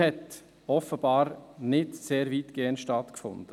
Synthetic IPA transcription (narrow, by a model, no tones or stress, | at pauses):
hɛt | ɔfəb̥ɑːɾnɪtseːɾviːtɡ̥eːəntʃtɑtkfʊ̰nd̪̥ə